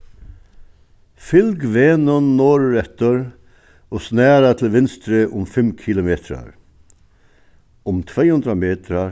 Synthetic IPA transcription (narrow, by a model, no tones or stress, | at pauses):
fɪlɡʋeːnənːoːɾɾɛt̪əɾ | oːsnæːɾɑt̪ʰl̩ʋɪnst̪ɾəʔʊmfɛmkʰɪlʊmeːt̪ʰɾɑ̰ɾ | ʊmt̪ʰʋeɪʉnd̪ɾɑmeːt̪ʰɾɑ